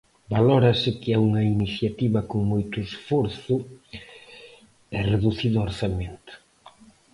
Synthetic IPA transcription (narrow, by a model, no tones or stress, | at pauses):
baloɾɐsɪkɪauŋɐiniθjat̪iβɐkoŋmojt̪ʊesfoɾθʊ | ɛreðuθiðʊoɾθament̪o̥